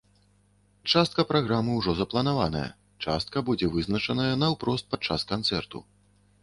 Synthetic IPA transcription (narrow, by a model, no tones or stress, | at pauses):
t͡ʂast̪̚kɐpɾaɣɾamɨwʐɔzɐplˠɐnavanɐ̰jɐ̰ | t͡ʂast̪̚kɐbud͡zʲɛvɨznɐt͡ʂɐnɐjɐnɐwpɾɔst̪̚pad̪̚t͡ʂaskant̪sɛrt̪ṵ